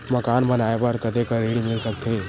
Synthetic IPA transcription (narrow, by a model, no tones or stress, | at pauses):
məkanbənajebəɾkət̪ekəɾeɽimilsəkt̪ʰe